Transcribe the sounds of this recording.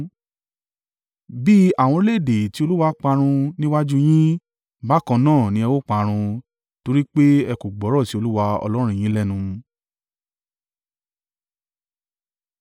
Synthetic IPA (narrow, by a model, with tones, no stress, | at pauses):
bi˦a˨w̃ɔ̃˧ɾle˦˨de˨ti˨˦o˧lu˦wa˧˦k͡pa˧ɾ̃ũ˧nĩ˦wa˦d͡ʒu˦j̃ĩ˦ | ba˦kɔ̃˧nãː˦˨nĩ˧˦ɛ˧wo˦k͡pa˧ɾ̃ũ˧ | to˧ɾi˦k͡pe˦ɛ˧ko˨ɡ͡bɔ˨˦ɾɔ˦˨ti˨˦o˧lu˦wa˧ɔ̰˧lɔ˦ɾ̃j̃ĩ˦lɛ˦˨nũ˧